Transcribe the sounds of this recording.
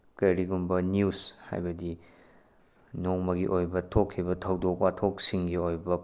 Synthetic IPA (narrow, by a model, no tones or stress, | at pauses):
kɐjɾiɡumbɐniusha̰jbɐdi | noŋmɐɡiʔojbɐtʰokʰːibɐtʰɐwdok̚watʰok̚siŋɡiojbɐ